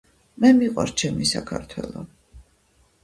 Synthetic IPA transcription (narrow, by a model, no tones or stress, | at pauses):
mɛmiqʼwa̰ɾt͡ʃʰɛmisakʰaɾt̪ʰwɛlˠɔ